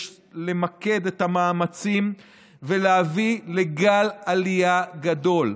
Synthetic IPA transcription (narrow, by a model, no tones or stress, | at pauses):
le̞make̞d̪et̪amaːmat͡sim | veleavileɡalalijaɡad̪o̞l